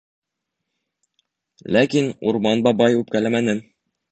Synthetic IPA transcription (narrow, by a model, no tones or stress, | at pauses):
lækinṵɾmɑnbɑbɑjʉp̚kælæmænɘm